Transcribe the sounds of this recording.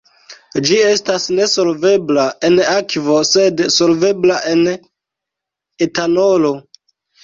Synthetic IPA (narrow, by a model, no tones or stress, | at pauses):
d͡ʒie̞stasne̞so̞lve̞blaʔe̞nakvo̞se̞dso̞lve̞blaʔe̞n | etano̞lo̞